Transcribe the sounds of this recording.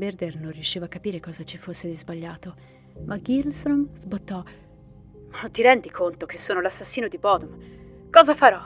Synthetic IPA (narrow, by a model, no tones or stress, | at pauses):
berd̪ernõrjuʃːiːvakːapiːɾekɔːzat͡ʃifosːed̪izbaʎːaːt̪o | maɡilst̪ɾomz̥bot̪ːɔ | manont̪iɾɛnd̪ikʰont̪ok̟esːoːnolasːasːiːnod̪ipɔːd̪om | kɔːzafaɾɔ